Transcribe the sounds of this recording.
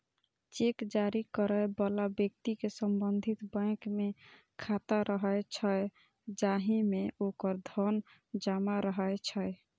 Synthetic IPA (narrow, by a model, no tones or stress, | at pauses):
t͡ʃekd͡ʒaɾikəɾəjbɔlabjək̚t̪ikesəmbənd̪ʱit̪bə̃ɪ̃kme | kʰat̪aɾəɦəjt͡ʃʰəj | d͡ʒaɦĩmeokəɾd̪ʱən | d͡ʒamaɾəɦəjt͡ʃʰəj